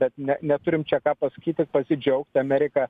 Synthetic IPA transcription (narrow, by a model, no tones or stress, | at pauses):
b̥ʲɛt̪nʲɛnʲɛt̪ʊɾʲɪmt͡ʃʲɛkɑːpɐsɐ̥kʲiːt̪ʲɪpɐsʲɪd͡ʒʲɛʊkt̪ʲɐmʲæːɾʲɪkɑː